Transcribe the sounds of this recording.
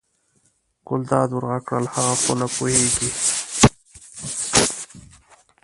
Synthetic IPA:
ɡ̥ʊld̪ɑːd̪wʊɾɣakɽəlhaɣakolapuheɡi

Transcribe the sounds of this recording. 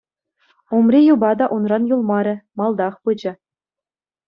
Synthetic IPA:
umrʲijubɑd̪ɑʔunrɑnjulˠmɑɾʲɘ̆mɑlˠd̪ɑχpɯd͡ʑɘ̆

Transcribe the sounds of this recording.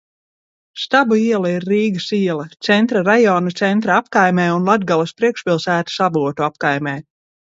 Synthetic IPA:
st̪abuiɛlˠɐiɾːiːɡɐsiɛlɐt̪sɛnt̪ɾaɾajɔːnat̪sɛnt̪ɾaapkajmʲɛːunlˠad̪ɡalˠɐspɾiɛkʃpʲilˠsæːt̪u̥sabuɔt̪uapkajmʲɛː

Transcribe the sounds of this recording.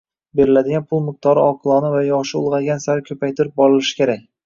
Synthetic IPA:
be̞ɾɪlad̪ɪɡʲanpʰʊlˠmɪq̚t̪ʰɒɾɪɒqʰɨlˠɒnɪvajɒʃɪʊ̰lˠʁɑɡʲansaɾɪkʲʰɵpajt̪ʰɪɾɪp̚bɒɾɪlɪʃɪ̥kʲe̞ɾak̚ʲ

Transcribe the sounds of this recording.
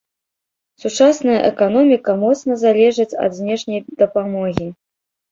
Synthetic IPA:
sut͡ʂasnɐjɐʔɛkan̪ɔmʲikɐmɔt̪snɐzalʲɛʐɨt͡sʲɐ̰d̪zʲnʲɛʂnʲɐjd̪ɐpamɔɣʲi

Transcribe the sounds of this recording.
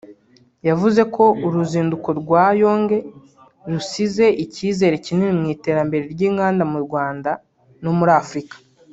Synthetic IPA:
javuze̞ko̞uɾuziːnduko̞ɾɡwaːjo̞ːŋɡe̞ | ɾusize̞ʔiciːze̞ɾe̞cinenimŋiːte̞ːɾambe̞ɾe̞ɾɟiːŋɡaːndamuɾɡwaːnda | no̞muɾaːfɾikḁ

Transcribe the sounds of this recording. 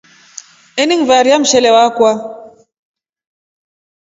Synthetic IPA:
ɛniŋvaɾiam̩ʃɛlɛwakwa

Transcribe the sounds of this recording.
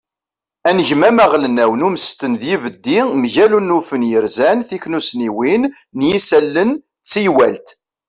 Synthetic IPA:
ænəʝmæmæʁlənæwnuməst̪ənðjivəd̪ːimʝælunːufənjəɾzænθiknusniwinː | jisælːən | t͡sijwæ̰lt̪

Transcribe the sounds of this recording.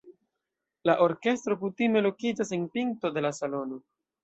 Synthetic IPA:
laʔo̞ɾke̞stɾo̞kutime̞lo̞kid͡ʒase̞npiŋkto̞de̞lasalo̞no̞

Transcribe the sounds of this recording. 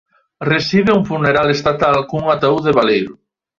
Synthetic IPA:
resiβɪuŋfuneɾalest̪at̪alkoŋuŋat̪auðeβalejɾʊ

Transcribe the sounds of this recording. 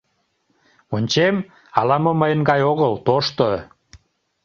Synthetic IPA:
onʲt͡ɕem | ɑlɑməməjənɡɑjoɣəlt̪oʃt̪o

